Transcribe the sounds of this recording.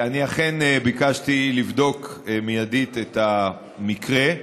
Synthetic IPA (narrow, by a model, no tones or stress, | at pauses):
aniaχe̞nbikaʃtilivdo̞kmijadit̪eta | mikʁe̞